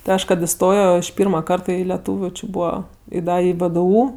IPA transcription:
tʲɪ ˈɐʃ kɐt ɪˈstoːjoː ɪʃ ˈpʲiːrmɐ ˈkɐrtɐ ɪ lʲɛˈtuːʋʲʊ t͡ʃʲɪ ˈbuːʋɐ ɪ ˈdɐ ɪ ʋdʊ

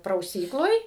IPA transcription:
prɐʊˈsʲiːklˠoːj

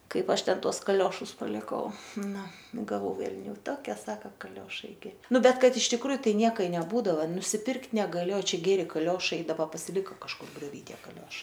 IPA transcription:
ˈkɐɪp ˈɐʃ ˈtʲɛn ˈtuɔs kɐˈlʲoːʃʊs pɐlʲɪˈkɐʊ ˈnʊ ɡɐˈʋɐʊ ʋʲɛlʲˈnʲuː ˈtoːkʲiɛ ˈsɑːkɐ kɐˈlʲoːʃɐɪ ɡʲɪ ˈnʊ ˈbʲɛt ˈkɐt ɪʃ tʲɪkˈruːjʊ ˈtɐɪ ˈnʲiɛkɐ ɪ nʲɛˈbuːdɐʋɐ nʊsʲɪˈpʲɪrktʲ nʲɛɡɐˈlʲɪ oː ˈt͡ʃʲɛ ˈɡʲæːrʲɪ kɐˈlʲoːʃɐɪ ɪ dɐˈbɐ pɐsʲɪˈlʲɪkɐ kɐʃˈkʊr ɡrʲoːˈʋʲiː ˈtʲiɛ kɐˈlʲoːʃɐɪ

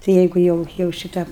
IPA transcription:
tɐɪ ˈjɛɪɡʊ ˈjɛʊ jɛʊ ʃʲɪˈtɐ

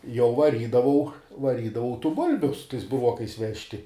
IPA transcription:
jɛʊ ʋɐˈrʲiːdɐʋɐʊ ʋɐˈrʲiːdɐʋɐʊ tuː ˈbʊlʲbʲʊ sʊ tɐɪs bʊˈruɔkɐɪs ˈʋʲæːʃʲtʲɪ

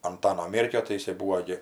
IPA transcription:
ɐnˈtɑːnoː ˈmʲeːrʲkʲoː tɐɪ jɪˈsɐɪ ˈbuːʋoː ɡʲɪ

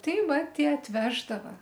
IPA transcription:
ˈtɐɪ ˈʋɐ ˈtʲiɛ ɐtʲˈʋʲæːʒdɐʋɐ

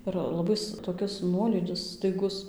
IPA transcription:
ɪr lˠɐˈbɐɪs toːˈkʲɪs ˈnuɔlʲiːdʲɪs stɐɪˈɡʊs

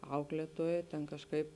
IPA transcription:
ˈɐʊklʲeːtuɔjɛ tʲɛn kɐʃˈkɐɪp

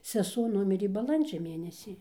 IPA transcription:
sʲɛˈsuɔ ˈnʊmʲɪrʲeː bɐˈlˠɐnʲd͡ʒʲɛ ˈmʲeːnʲɛsʲiː

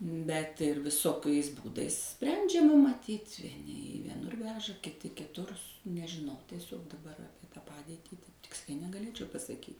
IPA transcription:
ˈbʲɛt ʋʲɪˈsoːkɐɪs ˈbuːdɐɪs ˈsʲpʲrʲɛnʲd͡ʒʲɛmɐ mɐˈtʲiːtʲ ʋʲiɛˈnʲɪ iː ʋʲiɛˈnʊr ˈʋʲæːʒɐ kʲɪˈtʲɪ kʲɪˈtʊr nʲɛʒʲɪˈnɐʊ tʲiɛˈsʲoːk dɐˈbɐr ˈɑːpʲiɛ tɑː ˈpɑːdʲeːtʲiː tɐɪp ˈtʲɪksʲlʲɛɪ nʲɛɡɐˈlʲeːt͡ʃʲɛʊ pɐsɐˈkʲiːtʲ

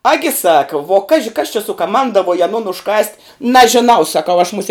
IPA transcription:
ˈɑːɡʲɪ ˈsɑːkɐ ʋuɔ ˈkɑːʒʲɪ kɐs t͡ʃʲɛ sʊkɐˈmɐndɐʋuɔj ɐˈnoːn ʊʃˈkɐsʲtʲ nɐʒʲɪˈnɐʊ sɐˈkɐʊ ɐʃ mʊˈsʲiɛ

